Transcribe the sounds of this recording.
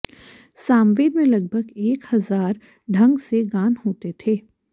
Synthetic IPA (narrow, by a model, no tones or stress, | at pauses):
saːmʋeːd̪mẽlɐɡ̚bʱəɡeːkhɐzaːɾ | ɖʱɐ̃ŋɡseɡaːnɦoːt̪et̪ʰeː